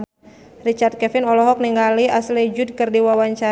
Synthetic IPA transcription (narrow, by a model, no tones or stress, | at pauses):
rit͡ʃard̪̚kɛfinɔlɔɦɔk̚niŋɡaliaslid͡ʒud̚kɨrdiwawaɲt͡ʃa